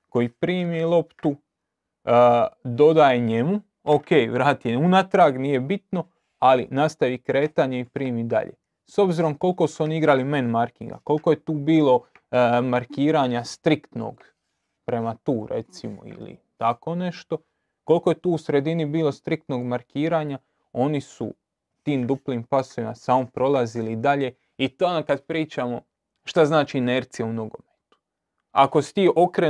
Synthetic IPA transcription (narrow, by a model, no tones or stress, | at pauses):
ko̞jipɾiːmielˠo̞pt̪u | d̪o̞d̪ajeɲemu | oke̞jʋɾaːt̪ieunat̪ɾaɡnije̞bit̪no̞ | alḭnast̪aʋikɾe̞ːt̪aɲeipɾiːmid̪a̰ʎḛ | so̞bziɾo̞mko̞lko̞suo̞niiɡɾalime̞nmaɾkiŋɡa̰ko̞lˠko̞jet̪uːbiːlˠo̞ | maɾkiːɾaɲast̪ɾikt̪no̞̰ɡ̥ | pɾe̞mat̪uːɾe̞̰t̪simo̰ḭlḭt̪ako̞ːne̞ʃt̪o̞ | ko̞lˠko̞je̞t̪uːusɾe̞d̪inibiːlo̞st̪ɾik̚t̪no̞ːɡmaɾkiːɾaːɲa | o̞nisṵ | t̪iːmd̪upliːmpaso̞ʋima̰samompɾo̞lˠazilid̪aʎe̞ | it̪okad̪pɾiːt͡ʃamo̞ | ʃt̪aznaːt͡ʃiːneɾt̪sijaumno̞ɡo̞met̪u̥ | a̰ko̞st̪iːʔo̞kɾe